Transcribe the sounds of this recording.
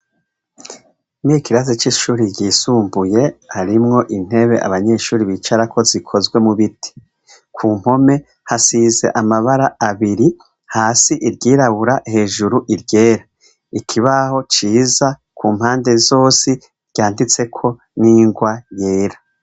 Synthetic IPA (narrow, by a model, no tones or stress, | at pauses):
mikiɾazit͡ʃiʃuːɾiɾɟiːsuːmbuje̞haɾimŋo̞ʔin̥he̞βeʔa̰βaɲe̞ːʃuːɾiβit͡ʃaɾakʰo̞zikʰo̞zɡwe̞muβitʰi̥ | kʰuːm̥ho̞me̞ | hasize̞̰ʔamaβaɾaaβiɾi | haːsiʔiɾɟiːɾaβuɾahe̞ːʒuɾuʔiɾɟe̞ːɾa | ikʰiβaho̞t͡ʃiːzakʰuːmhaːnde̞zo̞ːsi | ɾɟ̥aːndit͡se̞kʰo̞ | niːŋɡwaje̞ːɾa